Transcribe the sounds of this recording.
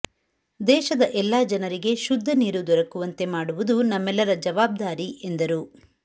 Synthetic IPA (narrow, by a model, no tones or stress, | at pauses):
d̪ɛːʃɐd̪ɐʔɛlːaːd͡ʒɐnɐɾiɡe̞ʃud̪ʱːɐniːɾud̪ɔɾɐkuʋɐnt̪e̞maːɽuʋud̪unɐmːɛlːɐɾɐd͡ʒɐʋaːb̚d̪aːɾiʔe̞nd̪ɐɾu